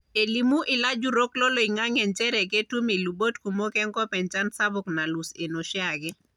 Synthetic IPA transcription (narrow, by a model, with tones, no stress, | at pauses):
e˨li˨mu˦ʔɪ˨la˦d͡ʒu˦ɾo˦klɔ˦lo˨i˨ŋa˦ŋɛ˨nt͡ʃɛ˦ɾɛ˨ke˦tu˦mi˨lu˨bo˦tku˨mo˦kɛ˦ŋkɔ˦pɛ˨nt͡ʃa˦nsa˦bʊ˨kna˨lu˨se˨no˨ʃjaɡɛ˦